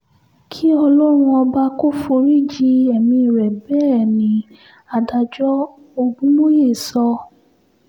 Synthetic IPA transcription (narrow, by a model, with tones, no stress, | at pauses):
kʰi˦ɔ˧lo˦ɾ̃ũ˧ɔ˧ba˧ko˦fo˧ɾi˦˨d͡ʒi˦ɛ˨mĩ˧˦i˨ɾɛ˨bɛ˦ɛ˦˨nĩ˨˦ | a˨da˧d͡ʒɔ˦ | o˧ɡ͡bũ˦mo˦je˦˨sɔ˧